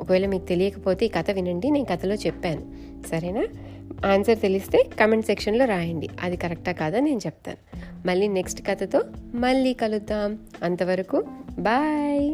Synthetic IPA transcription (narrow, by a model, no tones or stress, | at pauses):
ɔkɐʋɛːlɐmiːkut̪e̞lijɐkɐpo̞ːt̪e̞ːkɐt̪ɐʋinɐɳɖine̞ːnkɐt̪ɐlo̞ːt͡ʃɛpːaːnu | sɐɾɐjnaː | aːnsɐɾt̪e̞list̪e̞ːkɐmeɳʈsekʂɐnlo̞ːɾaːjɐɳɖḭɐ̰d̪ikɐɾɐk̚ʈaːkaːd̪aːne̞ːnut͡ʃɛp̚t̪a̰ːnu | mɐɭːiːne̞ksʈkɐt̪ɐt̪o̞ːmɐɭːiːkɐlud̪ːaːmɐnt̪ɐʋɐɾɐkubaːj